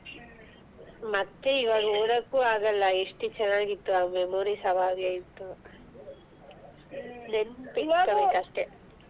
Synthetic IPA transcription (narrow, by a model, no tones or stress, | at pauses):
mɐt̪ːeiʋaːɡɐoːɾɐkːuːaːɡɐlːɐeʂʈit͡ʃɛnːaːɡit̪ːuamemoɾisɐʋaːʋeːjit̪ːu | nenpik̪ːɐʋeɐʂʈe